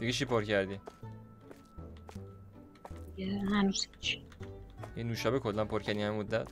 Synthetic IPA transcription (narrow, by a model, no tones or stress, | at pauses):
d̪̥iɡet͡ʃʰipʰoɾcæɾd̪i | iehænuz̥hit͡ʃʰ | jinuːʃɒːbekʰolːænpʰoɾcʰæɾd̪inæmemod̪ːæt̪